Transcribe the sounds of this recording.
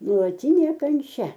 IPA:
nuɔlˠɐˈtʲiːnʲeː kɐnʲˈt͡ʃʲɛ

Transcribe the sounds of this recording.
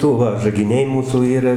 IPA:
ˈdʊ ʋɐ ʒɐɡʲɪˈnʲɛɪ ˈmuːsuː ˈiːrɐ

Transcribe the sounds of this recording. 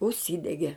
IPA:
ʊʃʲˈsʲiːdʲɛɡʲɛ

